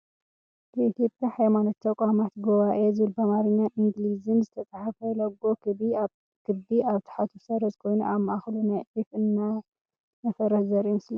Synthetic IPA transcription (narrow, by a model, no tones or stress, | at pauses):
kʰɐit̪ʰjo̞pʼjaħajmanot̪ʰːɐkʷʼamat̪ɡoβaʔezɨβɨlbɐmaɾɨɲːaʔiŋɡlizɨnzɨt̪ʰɐt͡sʼaħafɐlɐɡo̞ki | kʰɨd̪iaβt̪ʰħat̪ʰusɐɾɐzkʰo̞jnuʔamːɐʔaxlunajʕifɨnːa | nɐfɐɾɐhzɐɾimɨsli